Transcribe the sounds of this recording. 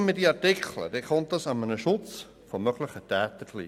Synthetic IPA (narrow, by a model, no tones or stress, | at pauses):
mɪdiɑɾtɪkʰlə̰d̥ekʰɔnt̚dɑsɑmənəʃʊt͡s | fomœɡləχətɛːt̪əklḭ